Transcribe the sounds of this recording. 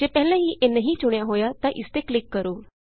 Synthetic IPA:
d͡ʑepɛɦlə̃ɦiːʔenːəɦiːt͡ɕuɳjaɦojat̪aʔist̪eklikːəɾuː

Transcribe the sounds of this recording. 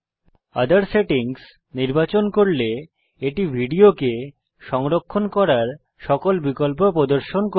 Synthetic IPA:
a̰d̪aɾseʈiŋs | niɾbat͡ɕonkoɾle | eʈibʱiɖioke | ʃɔŋɾokʰːonkɔɾaɾ | ʃɔkolbikolp̬opɾod̪oɾʃonko

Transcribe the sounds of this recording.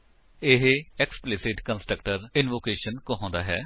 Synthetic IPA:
ɪɦɛksplɪsɪʈkənsʈək̚ʈəɾɪnʋoːkeːʃənkoɦɔ̃ːnd̪aːɦɛː

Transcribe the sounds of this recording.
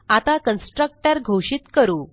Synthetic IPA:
at̪akənsʈɾək̚ʈəɾɡʱoɕit̪kəɾuː

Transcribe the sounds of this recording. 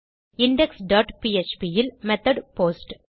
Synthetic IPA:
ɪɳɖɛksɖaːʈpiːet͡ʃpijɪlmɛt̪ɐɖpoːsʈ

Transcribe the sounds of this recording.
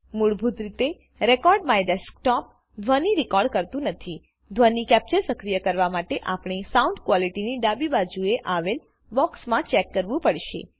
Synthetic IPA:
muɽbʱut̪ɾit̪e | ɾekɔɾɖmajɖesk̚ʈɔp̚ | d̪ʱʋəniɾikɔɾɖkəɾt̪ũnət̪ʰi | d̪ʱʋənikɛp̚t͡ʃəɾsəkɾijəkəɾʋamaʈeʔapɳ̃isaũɳɖkʋɔliʈiniɖabibad͡ʒueʔaʋel | bɔksmãt͡ʃɛkːəɾʋũpəɽʃḛ

